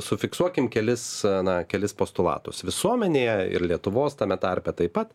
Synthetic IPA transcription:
sʊfʲɪksuɔkʲɪmkʲɛlʲɪsnɐkʲɛlʲɪspoːst̪ʊlˠɑ̰ːt̪ʊsʋʲɪsuɔmʲɛnʲeːjɛɪ̰ɾlʲiɛt̪ʊʋoːst̪ɐːmʲɛt̪ɐɾʲpʲɛt̪ɐɪpɐt̪

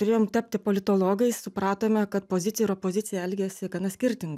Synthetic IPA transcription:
t̪ʊɾʲeːjoːmt̪ɑpʲt̪ʲɪpoːlʲɪt̪oːlˠoːɡɐɪsʊpɾɑːt̪oːmʲɛkɐt̪poːzʲɪt̪ʲɪjɛɪɾopoːzʲɪt̪sʲɪjɛɛlʲɡʲɛsʲɪɡɐnɐsʲkʲɪɾʲt̪ʲɪŋɡ

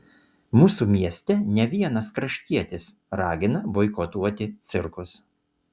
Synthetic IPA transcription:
muːsuːmʲiɛsʲt̪ʲɛnʲɛʋʲiɛnɐskɾɐʃʲt̪ʲiɛt̪ʲɪs | ɾɑːɡʲɪnɐbɔɪkɔt̪uɔt̪ʲɪt̪sʲɪɾkʊs

